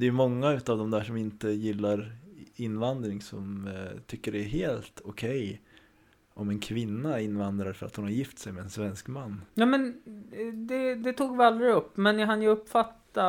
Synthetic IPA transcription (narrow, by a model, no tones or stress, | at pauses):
d̪ɛjɵmɔŋːaʉ̟ːt̪avd̪ɔmd̪æːʂɔmɪnt̪əjɪlːaɾɪnːvand̪ɾɪŋsɔmt̪ʰʏkːəɖɛːɦeːlt̪ʊkʰɛj | ʔɔmɛnkʰvɪnːaɪnːvand̪ɾaɾfœɾa̰t̪hʊnhaɾjɪft̪sɛjmɛɛnsvɛnskmanːjɑːmɛn | d̪ɛd̪ɛt̪ʰuːɡvɪald̪ɾɪɵpːmɛnɪɦanjəɵpːfat̪ːa